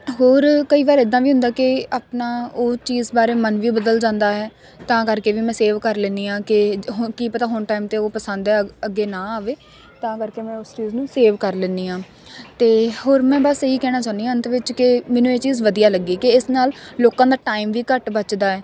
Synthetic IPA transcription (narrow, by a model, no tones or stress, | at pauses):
ɦoːɾkəiːʋaːɾɪd̪ːãːʋiːɦʊ̃nd̪aːkɪaːpnaːoːt͡ʃiːzbaːɾeːmənʋiːbəd̪əld͡ʒãːnd̪aːɦɛː | t̪ãːkəɾkeːʋiːmɛ̃ːseːʋkəɾlɛ̃ːnd̪iːãːkɪɦkiːpət̪aːɦʊɳʈaːimt̪eːoːpəsãnd̪ɛːəɡːeːnãːaːʋeː | t̪ãːkəɾkeːmɛ̃ːʊst͡ʃiːznũːseːʋkəɾlɛ̃ːnd̪iːãː | t̪eːɦoːɾmɛ̃ːbasəɦiːkɛːɽ̃aːt͡ʃaːnd̪iːãːənt̪ʋɪt͡ʃkɪmɛ̃ːnũːeːt͡ʃiːzʋəd̪ijaːləɡːiːkeɪsnaːlloːkãːd̪aːʈaːimʋiːkəʈbət͡ʃd̪aːɛː